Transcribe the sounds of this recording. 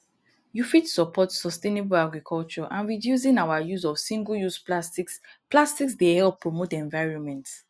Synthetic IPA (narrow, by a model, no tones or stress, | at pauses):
jufitsɔpʰɔtsɔstenebulaɡɹikʰɔlt͡ʃɔʔãnɹidjus̬ĩnawajuzɔfsĩŋɡljusplastiksplastiksdehɛlpːɹɔmotɛ̃ɱvaɪɹɔ̃nmɛ̃nts